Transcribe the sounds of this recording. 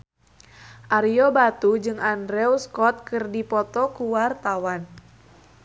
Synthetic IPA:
ʔaɾijɔbat̪ud͡ʒɨŋandɾɛwskɔt̪̚kɨrdipɔt̪ɔkuwart̪awan

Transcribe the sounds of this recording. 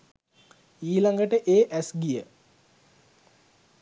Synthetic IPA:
iːlaŋɡəʈəʔeːʔæsɡijə

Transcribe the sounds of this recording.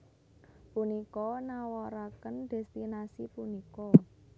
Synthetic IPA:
punikɔnawɔɾakənɖ̪̥ɛ̤st̪inasipunikɔ

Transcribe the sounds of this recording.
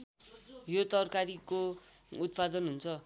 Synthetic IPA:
jot̪ʌrkaɾikout̪pad̪ʌnɦunt͡sʰʌ

